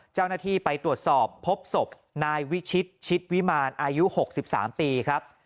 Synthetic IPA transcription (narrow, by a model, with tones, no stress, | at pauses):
t͡ɕa˥˩wnaː˥˩t̪ʰiː˥˩pa˧jt̪ɾu˨˩ət̪̚sɔː˨˩pʰːo˦˥p̚so˨˩p̚ | naː˧jwi˦˥t͡ɕʰi˦˥t̪̚t͡ɕʰi˦˥t̪̚wi˦˥maː˧nʔaː˧ju˦˥ho˨˩k̚si˨˩p̚sa̰ː˩˦mpiː˧kʰɾa˦˥p̚